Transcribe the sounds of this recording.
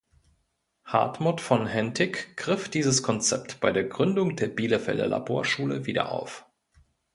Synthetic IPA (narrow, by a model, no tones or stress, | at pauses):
ha̰ɐtmʊtfɔnɦɛntʰɪkɡ̥ʁɪfd̥iːzəskʰɔnt͡sɛp̚tb̥aɪdeːɐɡʁʏndʊŋd̥eːɐbiːləfɛ̰ldə̰la̰bo̰ːɐʃuːlə̰viːdɐ̰ʔa̰ʊf